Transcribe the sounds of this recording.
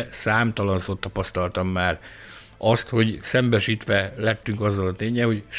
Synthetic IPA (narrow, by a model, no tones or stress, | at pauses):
saːmt̪ɒlɒnsot̪ːɒpɒst̪ɒlt̪ɒmːaːr | ʔɒst̪ho̞ɟsɛmbɛʃiːt̪ʋɛlɛt̪ːyŋkɒzːɒlɒt̪eːɲɛho̞ɟʃ